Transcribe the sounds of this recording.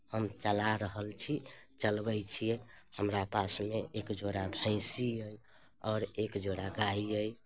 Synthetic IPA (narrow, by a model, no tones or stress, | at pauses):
həmt͡ʃəlaɾəɦəlt͡ʃʰit͡ʃəlbəjt͡ʃʰijehəmɾapasmeekd͡ʒoɽabʱə̃ɪsiəj | ɔɾekd͡ʒoɽaɡaiəj